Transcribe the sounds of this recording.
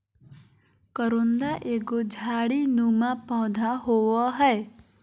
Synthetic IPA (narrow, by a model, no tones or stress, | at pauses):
kəɾõnd̪aʔeɡod͡ʒʱaɽinumapɔ̃d̪ʱaɦoʋɔɦɛe